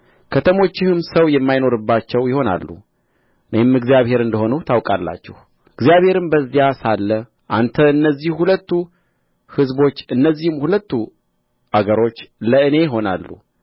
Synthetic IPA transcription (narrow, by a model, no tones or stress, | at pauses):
kʰət̪ʰəmo̞t͡ʃːɪhɨmsəwjɛmːajno̞ɾɨbːat͡ʃːɛwjɪho̞na̰lːṵ | ɨnemɨɡzijaβhe̞ɾɨnd̪əho̞nut̪ʰawkʼalːa̰t͡ʃːɛh | ɨɡzijaβhe̞ɾɨmbəzːijasalːə | ʔa̰nt̪ʰəɨnːəzːihhulət̪ːu | hɨzbo̞t͡ʃːɨnːəzːihɨmhulət̪ːu | ʔaɡəɾo̞t͡ʃːləɨne̞jɦo̞nalːṵ